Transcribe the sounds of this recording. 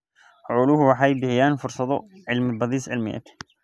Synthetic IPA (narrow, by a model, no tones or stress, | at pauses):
hʕuːluhwaħajd̪ɪhjaːnfʊɾsˤɑd̪ˤʊʕɪlmbɑd̪ˤiːsʕɪ̰lmɪ̰ja̰t̪